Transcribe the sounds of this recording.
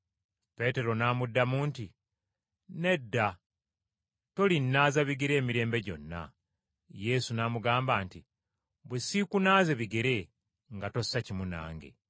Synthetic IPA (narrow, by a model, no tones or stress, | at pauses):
pe̞te̞ɾo̞naːmudːamuːnti | ne̞dːa | to̞linːaːzaβiɡeɾe̞ːmiɾe̞ːmbe̞ɟo̞̰nːa̰ | je̞sunamuɡaːmbaːnti | bwesikunaːze̞βiɡeɾe̞ | ŋɡato̞sːacimuna̰ːŋɡe̞̰